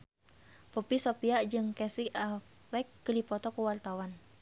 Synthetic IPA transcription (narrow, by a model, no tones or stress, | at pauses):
pɔpisopiad͡ʒɨŋkɛsia | wɛkːəlipɔt̪ɔkuwart̪awan